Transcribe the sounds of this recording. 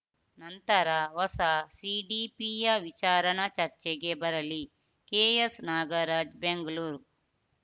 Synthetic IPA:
nɐnt̪ɐɾɐʋɐsɐsiɖiːpijɐʋit͡ʃaːɾɐnɐt͡ʃɐɾt͡ʃɛɡebɐɾɐli | keːjesnaːɡɐɾaːd͡ʒbeŋɡɐluːɾ

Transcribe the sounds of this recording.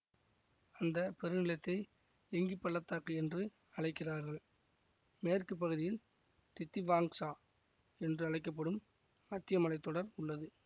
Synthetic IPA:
ɐnd̪ɐpɛɾɯnɪlɐt̪ːɐɪ | ɛŋɡipːɐɭːɐt̪ːaːkɐɛndrɯ | ɐɻɐɪkːɪraːɾɣɐɭ | meːrkɯp̬ːɐɣɯðɪjɪl | t̪ɪt̪ːiʋaːŋsaː | ɛndrɯɐɻɐɪk̬ːɐp̬ːɐɽɯmː | ɐt̪ːɪjɐmɐlɐɪt̪ːɔɽɐɾʊɭːɐðɯ

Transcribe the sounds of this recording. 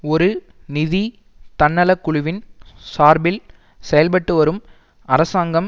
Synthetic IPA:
ɔɾɯ | nɪði | t̪ɐnːɐlɐkːʊɻʊʋɪnsaːɾbɪl | sɛjɐlpɐʈːɯʋɐɾɯm | ɐɾɐsaːŋɡɐm

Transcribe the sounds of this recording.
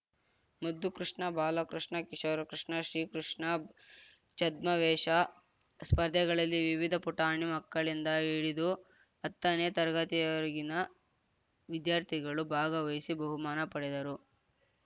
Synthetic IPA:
mɐd̪ːukɾiʂɳɐbʱaːlɐkɾiʂɳɐkiʂɐʋɾɐkɾiʂɳɐʃɾiːkɾuʂɳɐ | t͡ʃɐd̪mɐʋɛːʂɐ | spɐɾd̪ʱjɐɡɐɭɐlːiʋiʋid̪ʱɐpuʈaːɳimɐkːɐɭind̪ɐiɽid̪u | ɐt̪ːɐneːt̪ɐɾɡɐt̪ijɐɾɡinɐ | ʋid̪jaːɾt̪ʰiɡɐɭubʱaːɡɐʋɐjisibɐɦumaːnɐpɐɽɛd̪ɐɾu

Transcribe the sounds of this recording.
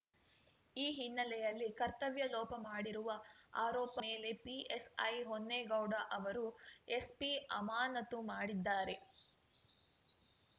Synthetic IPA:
iːɦinːɐlɛjɐlːikɐɾt̪ɐʋjɐlɔːpɐmaːɽiɾuʋɐaːɾɔːpɐmeːle̞piesɐ̰jɦonːeɡɐwɽɐʔɐʋɐɾue̞spiɐmaːnɐt̪umaːɽid̪ːaːɾe̞

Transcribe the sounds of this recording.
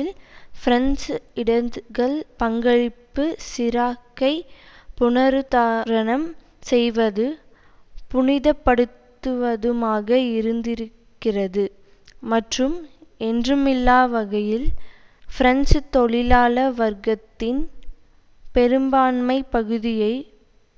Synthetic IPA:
ɪlfɪɾɐnsɪɽɐɡɐɭpɐŋɡɐɻɪpːɯsɪɾaːkːɐɪ | pʊɳɐɾɯt̪aːɾɐɳɐm | sɛjʋɐðɯ | pʊɳɪðɐpːɐɽɯt̪ːɯʋɐðɯmaːɣɐɪɾɯnd̪ɪɾɯkːɪrɐðɯ | mɐʈrɯmɛndrɯmɪlːaːʋɐɣɐjɪl | fɪɾɐnst̪ɔɭɪlaːlɐʋɐɾɣɐt̪ːɪn | pɛɾɯmbaːnmɐɪpɐɣɯðɪjɐɪ

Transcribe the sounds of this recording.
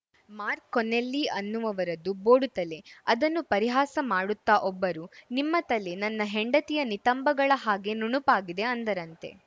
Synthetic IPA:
maːɾkːɔnːelːiɐnːuʋɐʋɐɾɐd̪uboːɽut̪ɐle̞ɐd̪ɐnːupɐɾiɦaːsɐmaːɽut̪ːaʔɔbːɐɾunimːɐt̪ɐle̞nɐnːɐɦeɳɖɐt̪ijɐnit̪ɐmbɐɡɐɭɐɦaːɡe̞nuɳupaːɡid̪e̞ɐnd̪ɐɾɐnt̪e̞̰

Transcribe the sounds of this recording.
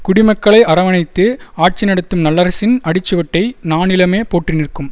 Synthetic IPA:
kʊɽɪmɐkːɐɭɐɪʔɐɾɐʋɐnɐɪt̪ːɯaːʈ̚t͡ʃɪnɐɽɯt̪ːɯmnɐlːɐɾɐsɪnɐɽɪt͡ʃːɯʋɐʈːɐɪnaːnɪlɐmeːpoːʈrɪnɪrkːɯm

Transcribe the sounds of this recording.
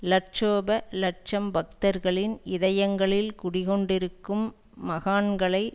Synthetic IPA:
lɐʈ̚t͡ʃoːbɐlɐʈ̚t͡ʃɐmbɐk̚t̪ɐɾɣɐɭɪnɪðɐjɐŋɡɐɭɪlkʊɽɪɣɔɳɖɪɾɯkːɯmː | ɐɣaːnɡɐɭɐɪ

